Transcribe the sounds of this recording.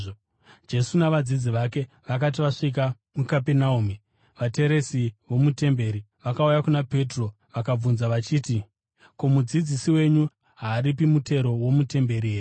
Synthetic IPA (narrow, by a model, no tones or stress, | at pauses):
d͡ʒe̞sunaʋad͡zid͡ziʋake̞ | ʋak̬at̬iʋaʂik̬a | mukapenaumi | ʋate̞ɾe̞siʋo̞mute̞mbe̞ɾi | ʋakaujakunape̞tro̞ | ʋakab͡vunzaʋat͡ʃiːti | ko̞mud͡zid͡zisiwe̞ɲu | ɦaːɾipimute̞ɾo̞wo̞mute̞mbe̞ɾieːɲ